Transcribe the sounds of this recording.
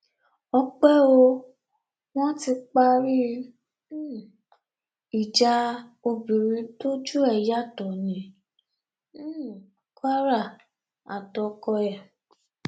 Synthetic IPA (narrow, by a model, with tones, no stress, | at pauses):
ɔ˧k͡pɛ˦o˧ | w̃ɔ̃˦ti˧k͡pa˧ɾi˦˨ | i˨d͡ʒa˧˦o˧bi˨ɾĩ˧˦to˦d͡ʒu˦ɛ˦˨ja˦˨tɔ˨nĩ˨˧˦ | ka˦ɾa˦˨ | a̰˨tɔ˧kɔ˧ɛ˨